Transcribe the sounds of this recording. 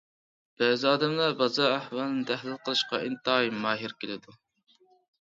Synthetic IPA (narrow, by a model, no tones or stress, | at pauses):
b̥ɛːzɑːd̪ɛmlɑbɑzɑhwɑlˠnɨd̪æhlɪlqʰəlˠɨʃqɑʔint̪ɑimɑːɦiɾkʲelɪd̪u